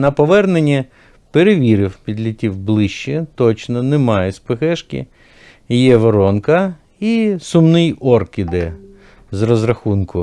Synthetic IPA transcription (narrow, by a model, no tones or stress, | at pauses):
nɐpɔʋɛrnenʲːɐ | peɾeʋʲiɾɪwpʲid̪ʲlʲitʲiwblˠɪʃt͡ʃːɛt̪ɔt͡ʃnɔnemɑjɛspɪxɛʃkʲɪ̰ | jɛʋɔɾɔnkɐ | isʊmnɪjɔrkɪd̪ɛ | zɾɔzɾɐxunkʊ